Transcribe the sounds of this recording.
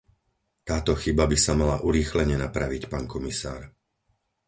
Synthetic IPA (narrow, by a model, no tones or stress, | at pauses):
t̪aːt̪ɔxibabisamalaʔuɾiːxlɛɲɛnapɾaʋicpaːnkɔmisa̰ːɾ